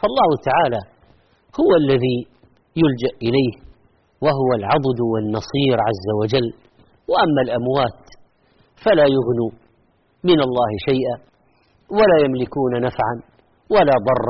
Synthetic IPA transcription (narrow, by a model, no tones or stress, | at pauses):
fɑlˤːɑːhʊt̪aʕaːla | hʊwalːaði | jʊld͡ʒaʔʔɪlaːh | waɦʊwalʕɑd̪ˤd̪wɪnːɑsˤiːɾʕazːawad͡ʒalː | waʔamːalʔamwaːt̪ | falaːjʊɣnu | mɪnɑlˤːɑːhɪʃajʔa | walaːjamlɪkuːnanafʕan | walaːd̪ˤɑrˤː